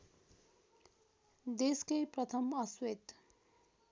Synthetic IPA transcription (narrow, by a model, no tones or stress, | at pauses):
d̪eskʌjprʌt̪ʰʌmʌswet̪